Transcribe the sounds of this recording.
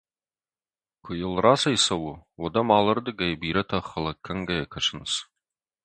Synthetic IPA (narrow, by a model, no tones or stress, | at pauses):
kʷʰʊjɪlraːsɐjsɐwʊwɔdɐmaːlɐrd̪ɨɡɐjbiːɾɐtʰɐχɐlɐkʰːɐŋɡɐjɐkʰɐʈ͡ʂʰɨnɨs